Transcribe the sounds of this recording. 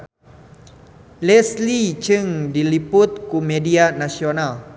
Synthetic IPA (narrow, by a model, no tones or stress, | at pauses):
lɛslit͡ʃəŋdilipʊt̪̚kumẽdianãsional